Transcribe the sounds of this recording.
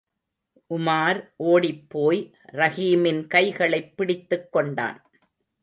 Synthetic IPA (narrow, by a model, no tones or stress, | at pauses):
ʔʊmaːɾʔoːɽɪpːoːj | ɾɐɣiːmɪnkɐɪɣɐɭɐɪpːɪɽɪt̪ːɯkːɔɳɖa̰ːn